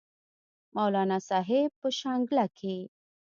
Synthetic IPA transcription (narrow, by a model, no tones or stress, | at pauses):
mawlɑnasɑɦebpəʃɑŋɡlakʰe